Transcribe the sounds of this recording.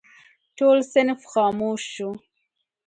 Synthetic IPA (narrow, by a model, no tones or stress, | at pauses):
toːlsenfxɑːmuːʃu